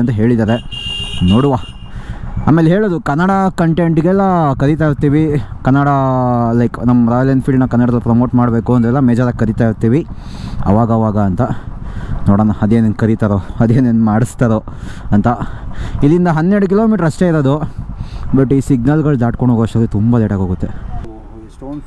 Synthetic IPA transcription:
ɐnt̪ɐɦe̞ːɭid̪aːɾenoːɽuʋa | a̰ːme̞ːlɦeːɭoːd̪ukɐnːɐɽakɐɳʈeɳʈɡɛlːɐkɐɾit̪̬aːiɾt̪iːʋikɐnːɐɽalɐjknɐmːɾaːjlɐnpʰilɖnɐkɐnːɐɽɐd̪ɐlpɾɐmoːʈmaːɽbe̞ːkuɐnd̪ɾɛlːɐmeːd͡ʒaːɾɐkɐɾit̪aːjiɾt̪iːʋiɐ̰ʋaːɡɐːʋaːɡɐːnt̪ɐ | noːɽɐːnɐɐd̪eːnenkɐɾit̪aɾoɐd̪eːneːnmaːɽist̪aɾoɐnt̪ɐilːind̪ɐɦɐnːeɽuk̬iloːmiːʈɐɾɐsʈeiɾod̪u | bɐʈːiːsiɡ̚nɐlɡɐɭd̪aːʈ̚koɳoɡoʂɐd̪it̪umbɐleʈaːɡɦoɡut̪ːe | ʈoː

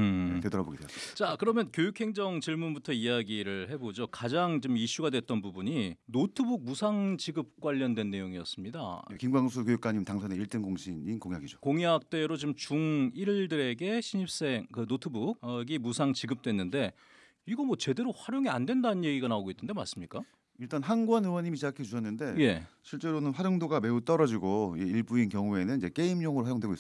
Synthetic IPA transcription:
tedʌɾaboɡedwe̥t͡ɕakɯɾʌmjʌnkjojukʰhe̞ŋd͡ʑʌŋt͡ɕiɭmunbutʰʌijaɡiɾɯɭhe̞bod͡ʑokad͡ʑaŋt͡ɕomiɕ͈uɡadwe̞t͈ʌnbubuɲinotʰɯbuɡ̚musʰaŋt͡ɕiɡɯp̚k͈waʎːʌndwe̞nːe̞joŋiʌs͈ɯmɲida̰jekiŋbaŋs̬ʰukjojuk͈aɲimtaŋsʰʌneiɭt͈ɯnɡoŋɕʰininkoŋiaɡid͡ʑokoŋiak̚t͈e̞ɾot͡ɕimt͡ɕuŋiɭdɯɾe̞ɡe̞ɕʰiɲip̚s͈e̞ŋkɯnotʰɯbuɡ̚ɡimusʰaŋt͡ɕiɡɯp̚t͈wenːɯnde̞ | iɡʌmwʌt͡ɕe̞de̞ɾoɸwaɾjoŋia̰ndwe̞ndanɯnje̞ɡiɡanaoɡoinːɯnde̞ma̰s͈ɯmɲik͈a | iɭt͈anɦanɡuanɯwʌɲimiɕid͡ʑakʰet͡ɕuɕʰʌnːɯnde̞je̞ɕʰiɭt͡ɕ͈e̞ɾonɯnɸwaɾjoŋdoɡame̞ut͈ʌɾʌd͡ʑiɡoiiɭbuinkjʌŋue̞nɯnid͡ʑe̞k͈e̞imɲoŋɯɾoɸwajoŋdwe̞ɡois

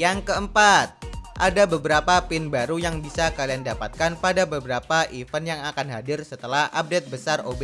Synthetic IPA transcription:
jaŋkəəmpat̪̚ʔadabəbəɾapapɪnbaɾujaŋbisakaliandapat̪̚kanpadabəbəɾapaʔifənjaŋakanɦadɪrsət̪əlahʔa̰p̚det̪̚bəsarobɛ

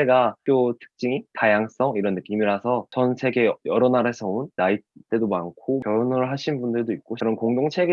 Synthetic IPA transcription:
eɡak͈jotʰɯ̥k̚t͡ɕ͈iŋitajaŋs͈ʌŋiɾʌnːɯk͈imiɾɦasʰʌt͡ɕʌnsʰe̞ɡe̞jʌɾʌnaɾesʰʌunːait͈e̞domankʰojʌɾonɯɭɦaɕʰinbundɯɭdoit̚k͈oɾʌnkoŋdoŋt͡ɕʰe̞ɡe

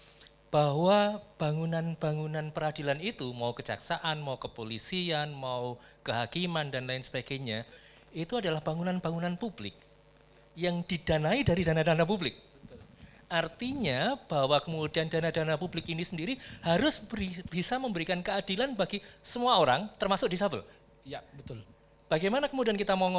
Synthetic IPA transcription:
b̥aɦwab̥aŋunanb̥aŋunanpəɾadilanit̪umaukəd͡ʒa̰ksaʔanmaukəpolisianmaukəɦakimandanlaɪnsəb̥aɡaɲa | it̪uadalahb̥aŋunanbaŋunanpublɪ̰k̚ | jaŋdidanaidaɾidanadanap̬ublɪk̪̚ | ʔart̪iɲab̥awakəmudiandanadanapublɪkinisəndiɾihaɾʊsb̥isaməmbəɾikankəadilanbaɡisəmuaoɾaŋt̪ərmasʊk̚disabəl | bət̪ | b̥aɡajmanakəmudiankit̪amɔŋɔ

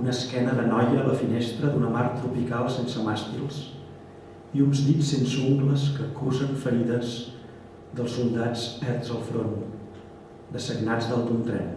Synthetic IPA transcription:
unəskɛnəðənɔjəːləfinest̪ɾəðunəmaɾt̪ɾupikalˠsensəmast̪ilˠs | iunzðisːensəuŋɡləskəkuzəɱfəɾiðəz | ðəlˠsulˠd̪ad͡zɛrt̪zəlˠfɾon | d̪əsəɡnad͡zðəlˠt̪unt̪ɾɛ̰n

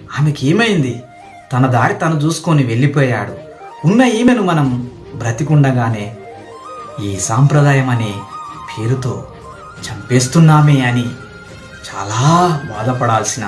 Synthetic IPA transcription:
aːmekeːmɐjind̪i | t̪ɐnɐd̪aːɾit̪ɐnɐt͡ʃuːsu̥koːniʋe̞ɭːipɔːjaːɽu | unːɐjiːmɐnumɐnɐm | bɾɐt̪ikuɳɖɐɡaːne̞ː | iːsaːmpɾɐd̪aːjɐmɐnipʰe̞ːɾut̪o̞ː | t͡ʃɐmpe̞ːs̬t̪unːaːmeɐni | t͡ʃa̰ːlaːba̰ːd̪ɐpɐɽaːlsinɐ

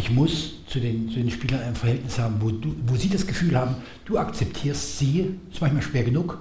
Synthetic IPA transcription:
ʔɪçmʊst͡sudeːnt͡sudeːnʃpiːlɐnaɪnfɛɐhɛltnɪshaːbm̩voːduːvoːziːdasɡ̥əfyːlhaːbm̩ | d̥uːakt͡sɛptʰiːɐstz̥iːsmançmaːlʃv̥eːɐɡənuːk

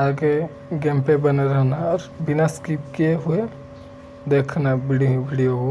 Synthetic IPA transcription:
aːɡe | ɡɛ̃ːmpebɐneɾəɦnaɔːɾbɪnaskip̚kieɦʊe | d̪eːkʰnabɪɽibiɽijoɦu

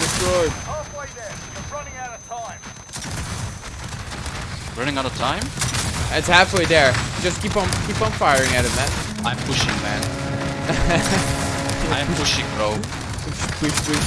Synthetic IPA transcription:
d̥ɨstɹɔɪobɔɪðɛjəɹʌnɪ̃ŋaʊɾʌvtʰãɪ̃m | ɹʌñɪ̃ŋaɾəvtʰãɪ̃mðætshæfl̩ˠiðə˞d̥d͡ʒ̥ʌskipn̩kʰipnfaɪə˞ɪ̃ŋaʊɾʌvðæt̚ | ãɪ̃mpʰʊʃɪ̃ŋmæ̰̃n | ãɪ̃mpʰʊʃɪ̃ŋɹoʊ | wiwi

